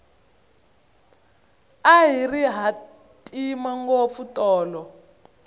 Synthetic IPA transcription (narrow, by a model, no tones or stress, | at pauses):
aɦiriɦa | tʼimaŋɡop̪futʼɔːlɔ